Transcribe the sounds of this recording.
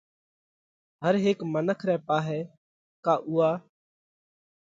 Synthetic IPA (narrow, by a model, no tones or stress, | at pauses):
ɦəɾɦeːkmənəkʰɾɛːpaːɦɛː | kaːʔuːaː